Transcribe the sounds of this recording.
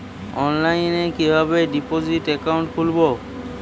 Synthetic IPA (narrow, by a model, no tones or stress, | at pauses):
ɔnlajnɛkibʱabedipozitɛkawntkʰulbɔ